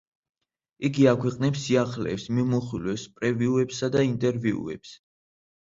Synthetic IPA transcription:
iɡiakʰwɛqʼnɛpsiaχlɛ̰ːpsmimuχilwɛspʼɾɛviuɛpsad̪aint̪ʼɛɾviṵɛ̰ps

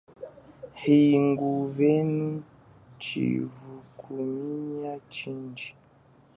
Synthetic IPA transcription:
hiŋɡuvɛnu | t͡ʃḭvukʰumiɲiat͡ʃind͡ʒi

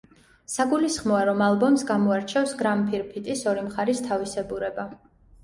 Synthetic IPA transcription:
saɡulisχmɔaɾɔmalˠbɔmsɡamɔaɾt͡ʃʰɛfsɡɾampʰiɾpʰit̪ʼisɔɾimχaɾist̪ʰavisɛbuɾɛba

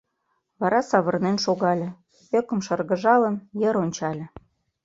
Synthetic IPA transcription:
βɑɾɑsɑβɤ̆rnenʃoɣɑlʲĕ | økə̆mʃɤ̆rɣə̆ʒɑlə̆mjə̆ɾonʲt͡ɕɑlʲĕ

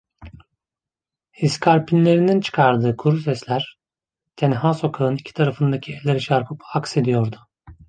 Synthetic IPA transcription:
iskʰaɾpʰinlʲe̞ɾinint͡ʃʰɯ̥kʰaɾd̪ɯːkʰuɾusɛslʲæɾ̥ | t̪ʰenɦaso̞kʰaɯnicʰi̥t̪ʰaɾafɯnd̪acʰielʲeɾiʃaɾpʰɯpakse̞d̪ijo̞ɾd̪ʊ

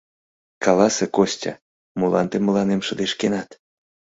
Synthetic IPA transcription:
kɑlɑsekosʲtʲɑ̰ | mulɑ̰nt̪eməlɑnemʃə̆d̪eʃkenɑt̪

